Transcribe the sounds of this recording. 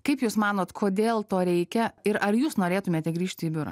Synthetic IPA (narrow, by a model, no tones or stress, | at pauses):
kɐɪpjuːsmɑːnoːt̪kʰoːd̪ʲeːlˠt̪oːɾʲɛɪkʲɛɪɾɐɾjuːsnoːɾʲeːt̪ʊmʲeːt̪ʲɛɡɾʲiːʃʲt̪ʲiːbʲʊɾɐ̰